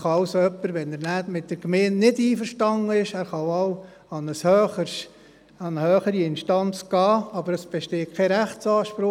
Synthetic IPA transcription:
χɑɑwsoœpːəɾʋɛnæɾnæːdmɪt̚d̥əɾkmeːnnɪdiːfəɾʃtɑŋəɪʃæːɾχɑwɑw | ɑnəshøχə | ɑnəhøːχəɾiɪnʃtɑnt͡sɡ̥ɑːɑbəɾəsb̥ɛʃteːkʰɛɾæχtt͡sɑːʃpɾʊ

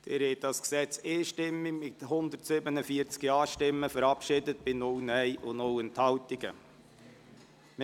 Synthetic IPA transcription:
d̥ɪɾhɛɪt̚dɑsksɛt͡seːʃtɪmːɪɡmɪthʊnd̪ətsɪbənəfiəɾt͡skiɑːʃtɪmːəfəɾɑpʃɪdət̚b̥ɪnɔwnɛɪʔʊnɔwɛnthɑltiɡ̥ə̰ | m

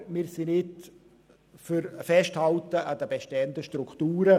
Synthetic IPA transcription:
mɪːɾsinɪt | fyɾfɛʃthaltəɑd̪əbeʃtɛəndəʃtrukʰtuːɾə

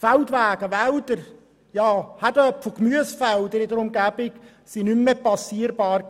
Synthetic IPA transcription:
falt̪ʋæːɡ̥əʋæld̪əɾ | jɑːhætəpfokmyəsfæld̪əɾɪd̪əɾʊmɡæb̥ɪk | sinymːɛpɑsiːəɾbɑːr

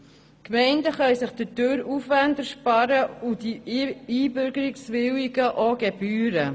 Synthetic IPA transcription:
kmɛɪndəχœɥsɪχd̥̪ətøːɾufʋændəɾʃpɑɾəudiiːbɵɾɡəɾiksʋɪwiɡəʔoɡɛb̥yːɾə

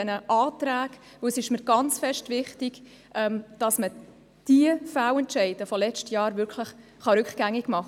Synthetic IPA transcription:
ɛnəʔɑːtɾæːɡ | vɵwsɪʃməɾɡɑnt͡sfɛʃtvɪχtɪɡ | ʔɛmd̥ɑsmə | d̥iəfæwɛntt͡ʃɛɪd̥əfɔlɛt͡ʃtjɑːɾvʏɾkʰləχ | χɑɾʉkχɡ̥æŋːiɡ̥mɑχ

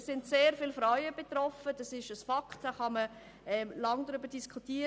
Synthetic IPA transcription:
sɪntseːɾfɪlfɾɔɥəb̥etɾɔfəd̥ɑsɪʃəsfɑkχtd̥aχɑmə | ɛmlɑŋdɾʏbəd̥iskʰutiːə

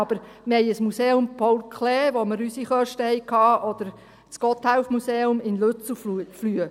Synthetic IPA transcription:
ɑb̥əɾ | mhɛɪjəsmuseːʊmpʰɔlkʰleːʋoməɾysiχœʃtəhɛɪkʰɑːʔɔd̪̥əɾ | t͡skɔt̪hæwfmuseːʊmɪnløt͡sufluflyə

